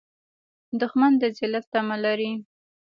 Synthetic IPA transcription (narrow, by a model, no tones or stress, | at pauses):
d̪ʊxmand̪əzɪlaft̪amalaɾi